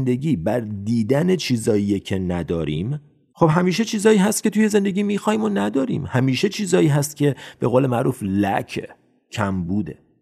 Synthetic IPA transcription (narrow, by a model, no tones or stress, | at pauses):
nd̪eɟiːbæɾd̪iːd̪æne̞t͡ʃʰiːzɒːijecʰe̞næd̪ɒːɾḭːm | xo̞bɦæmiːʃ̬e̞t͡ʃʰiːzɒːiːɦæst̪̚cʰe̞t̪ʰuje̞ze̞nd̪e̞ɟiːmiːxɒːiːmonæd̪ɒːɾḭːmhæmiːʃe̞t͡ʃʰiːzɒːiːɦæst̪̚cʰʲe̞b̥e̞ɣoːlemæʔɾuːflæ̰cʰe | cʰæmbuːd̪ḛ